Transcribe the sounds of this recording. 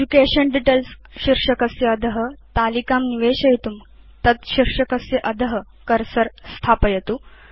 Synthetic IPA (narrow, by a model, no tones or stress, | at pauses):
ed͡ʒukeɕənɖiʈelsɕiɾʂɐkəsjeəd̪ʱəɦət̪alikamniʋeɕɐjt̪um | t̪ɐt̪ɕiɾʂɐkəsjeʔəd̪ʱəɦə | kəɾsəɾst̪ʰapəjet̪u